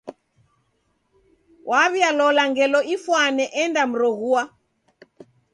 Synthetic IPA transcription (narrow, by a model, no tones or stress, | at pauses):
wʔaβialɔlaŋɡɛlɔifwanɛʔɛndam̩ɾɔɣua